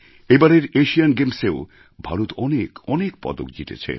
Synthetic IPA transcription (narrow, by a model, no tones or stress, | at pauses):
ebaɾeɾeʃianɡemseo | bʱaɾot̪ɔnekɔnekpɔ̰d̪o̰k̚d͡ʑit̪ḛt͡ɕʰḛ